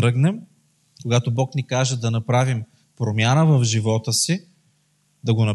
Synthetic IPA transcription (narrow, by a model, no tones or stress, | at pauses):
ɾɤɡnɛm | koɡat̪obɔknikaʒɛd̪ɐnɐpɾavim | pɾomʲjanəvɐvʒivɔt̪əsi | d̪ɐɡonɐ